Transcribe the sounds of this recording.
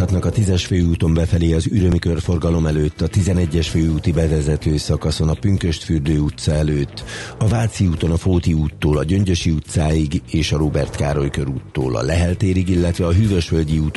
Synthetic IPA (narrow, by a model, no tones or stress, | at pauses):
ɒt̪nɒkɒt̪izɛʃføːuːt̪o̞mbɛfɛleːɒzyɾø̞mikørfo̞rɡɒlo̞mɛløːt̪ːɒt̪izɛnɛɟːɛʃføːuːt̪ibɛvɛzɛt̪øːsɒkɒso̞nɒpyŋkøʃt̪fyrd̪øːut̪sɒɛløːt̪ːɒvaːt̪siuːt̪o̞nɒfoːt̪iuːt̪ːoːlɒɟø̞ɲɟø̞ʃiut̪saːjiɡeːʃɒɾobɛrt̪kaːɾo̞jkøɾuːt̪ːo̰ːlɒ̰lɛɦɛlt̪eːɾiɡilːɛt̪ʋɛɒɦyːvø̞ʃʋø̞lɟiuːt̪